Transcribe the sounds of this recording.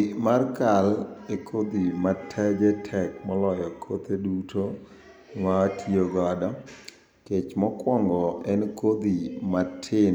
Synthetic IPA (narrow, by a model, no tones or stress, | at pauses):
markalekʰod̪imatʰɛd͡ʒɛtʰɛk̚mɔlɔjɔkʰot̪edutʰo | ŋwatʰioɡɔdɔ | ket͡ʃmɔkwɔŋɡɔɛnkod̪imatʰɪn